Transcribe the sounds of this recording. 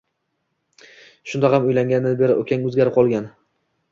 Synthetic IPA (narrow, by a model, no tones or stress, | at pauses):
ʃʊnd̪ahamʊjlaŋɡʲanɪbeɾɪ̰ʔo̰kʲʰaŋʲɵzɡʲaɾɪp̚qʰɒlˠɡʲan